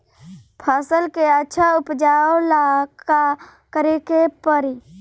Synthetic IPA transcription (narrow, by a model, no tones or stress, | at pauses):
pʰaːsəlkeətːʃʰaʊpd͡ʒaːolaka | kəɾekepəɾi